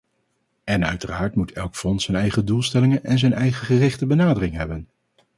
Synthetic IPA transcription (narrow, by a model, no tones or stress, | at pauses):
ɛnœɥtəraːɹtmutɛlˠkfɔnsɛnɛjχədulˠstɛlɪŋənʔɛnzɛjnɛjχəχərɪχtəbənaːdərɪŋɦɛbən